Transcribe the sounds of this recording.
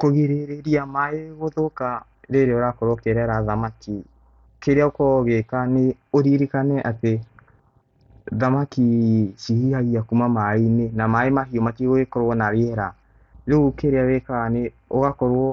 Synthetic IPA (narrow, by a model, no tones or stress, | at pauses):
koɣeɾeɾeɾiamaeɣoðoka | ɾeɾeoɾakɔɾwɔkeɾɛɾaðamaki | keɾeaokɔɣekane | oɾiɾikanɛʔate | ðamakiʃihiaiakumamainenamaemaɦiɔmakiɣoekɔɾwɔnaɾeɛɾa | ɾeɣukeɾeawekaneoɣakɔɾwɔ